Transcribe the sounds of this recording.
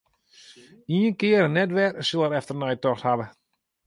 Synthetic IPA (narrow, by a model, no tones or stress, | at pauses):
iənkɪəɾənːɛtʋɛrsolˠəɾɛftərnɛjtɔxthaʋə